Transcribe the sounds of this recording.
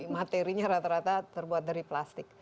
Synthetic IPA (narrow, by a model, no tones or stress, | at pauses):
mat̪eɾiɲaɾat̪aɾat̪at̪ərbuat̪̚daɾiplast̪ɪk̚